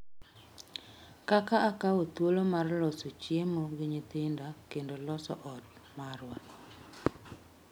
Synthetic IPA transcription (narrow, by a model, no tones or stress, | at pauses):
kakaːkawot̪wolomarlɔsot͡ʃjemoɡɪɲit̪ɪndakendolɔsɔ̰ʔɔt̚maɾwa